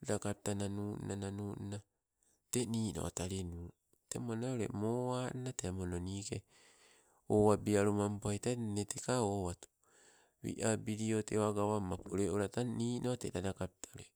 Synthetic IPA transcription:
dakapitananuʔnananuːʔna | teniːno̰otaɾinu | temonaoɾḛmoannateamononiːke | owabiaɾumampajtanetekaowatu̥ | wḭʔabiɾiotewaɡawamːapuɾeoɾataniːnʔotedadakap̚itʰaoɾe

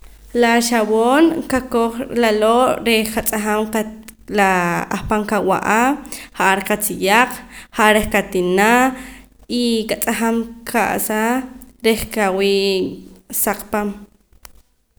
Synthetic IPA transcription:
laʃawoːnkakoχlaloːʔɾekat͡sʼaχamkalaaχpaŋkawa̰ʔahaʔaɾeqat͡sijaq͡χhaʔaɾeχkat̪ina | ikat͡sʼaχamkʰa̰ʔsaɾeχkawiː | saq͡χpam

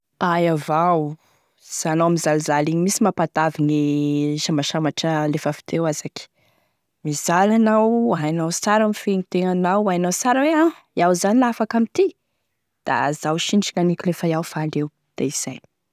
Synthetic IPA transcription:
ajavaw | z̥anowamizaluzaliɲimisimapat̪aviniʃamaʃamaʈ͡ʂəlefəfi̥t̪ʰewaz̥aki̥ | mizalanawajnawsaɾamifeɲit̪eŋanawajnawt͡saɾawea | iawzanilafakamit̪i | d̪̥a̰zawʃinʈ͡ʂiŋanikilefajawfalew | d̪̥aiz̥aj

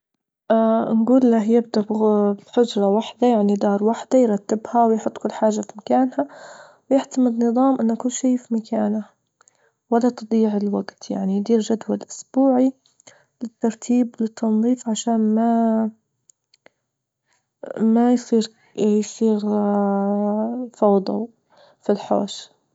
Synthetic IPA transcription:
ʔanɡuːlːahjɪb̚d̪abbħʊd͡ʒɾˤɑwaħd̪ajaʕnid̪ɑːɾˤwaħd̪ajɾˤɑt̪ːɪbhawɪjħʊt̪ˤːkʊlːħaːʒːafimakaːnha | wjɪʕt̪amɪd̪nɨðˤɑːmʔɪnːakʊlːʃiːfimakʰaːna | walːat̪ɨd̪ˤiːʕɪlwaɡt̪ja̰ʕnijd̪iːɾʒad̪walʔʊsbuːʕi | lɪt̪ːɑɾˤt̪ʰiːblɪt̪ʰːɑnðˤiːfʕaʃaːnma | majsˤiːɾ | jsˤiːɾ | fɑwd̪ˤɑ̰ | filħo̰ːʃ

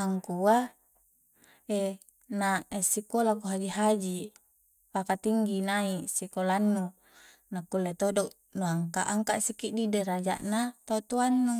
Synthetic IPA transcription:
aŋkua | e | naesikolakuɦad͡ʒiɦad͡ʒi | pakat̪iŋɡinaisikolanːu | nakulːet̪odoʔ | nuaŋkaʔaŋkaʔsikiʔdideɾad͡ʒa̰ʔnat̪aut̪uanːu

